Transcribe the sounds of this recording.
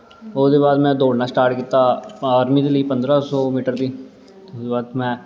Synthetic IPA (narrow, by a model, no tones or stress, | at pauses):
ʊsd̪eːbaːd̪mɛ̃ːd̪oːɽnaːsʈaːɾʈkiːt̪aːaːɾmiːd̪eːləiːpənd̪ɾaːsɔːmiːʈəɾd̪iː | d̪eːbaːd̪mɛ̃ː